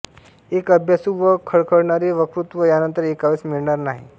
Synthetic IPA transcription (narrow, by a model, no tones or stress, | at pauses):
eːkəbʱjasuʋəkʰəɭkʰəɽɳaɾeʋəkɾut̪ʋəjanənt̪əɾeːkaʋesmiɭnaɾnaɦḭ